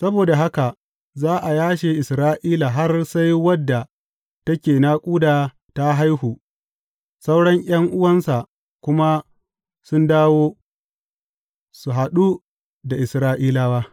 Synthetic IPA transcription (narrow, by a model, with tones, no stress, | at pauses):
sɐ˦boː˨da˨ɦa˦ka˨ | zaː˦ʔa˨jaː˦ʃeː˨ʔɪ˨sɾaː˦ʔiː˦la˨ɦa˦rsa˦jwɐ˦dːa˨ | tɐ˦kʲeː˨naː˦kʷʼuː˦daː˨ | ta˦ɦa˦jɦuː˨ | sa˦wɽɐ˦ŋʔj̰ʲɐ˦ŋʔʊ˦wɐ˦nsa˨ʔ | kʷʊ˦ma˦ | sʊ˦ndaː˦woː˦ | su˨ɦa˨ɗu˦ | da˨ʔɪ˨sɾaː˦ʔiː˦laː˦waː˦